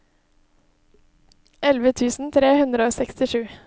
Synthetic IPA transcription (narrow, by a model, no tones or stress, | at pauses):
ʔɛlʋət̪ʰʉːsn̩t̪ʰɾeːhʉnd̪ɾəoːsɛkst̪ɪʃʉː